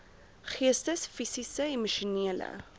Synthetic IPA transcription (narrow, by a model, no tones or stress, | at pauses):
χiəstəsfisisəimuʃuniələ̰